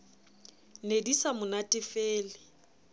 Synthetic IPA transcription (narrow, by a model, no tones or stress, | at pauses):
nedisamʊnatʼɪfeːlɪ